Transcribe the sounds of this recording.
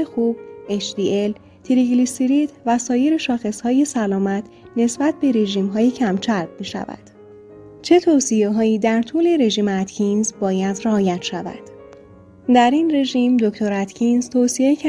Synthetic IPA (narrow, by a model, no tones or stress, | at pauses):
exub̥̚e̞t͡ʃd̪iːe̞l | t̪ʰiɾiɡlisiɾit̪væsɒːje̞ɾe̞ʃɒːxe̞shɒːje̞sælɒːmæt̪ʰ | ne̞sbæt̪̚ʰbe̞ɾe̞ʒiːmɦɒːjecʰæmt͡ʃʰæɾbmiːʃæ̰væ̰d̪̥ | t͡ʃʰe̞t̪ʰosije̞ɦɒːjiːd̪æɾt̪ʰuːle̞ɾe̞ʒiːmeæt̪cʰinzbɒːjæd̪reɒːjæt̪ʰʃævæ̰d̪̥ | d̪æɾinre̞ʒiːmd̪oct̪ʰo̞ɾæt̪ʰcʰinzt̪ʰoːsie̞cʰæ